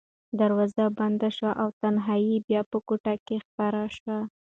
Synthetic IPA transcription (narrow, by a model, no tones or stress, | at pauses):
d̪aɾwɑzaband̪aʃwaʔawt̪anɦɑjibjɑpəkoʈakexpaɾaʃwa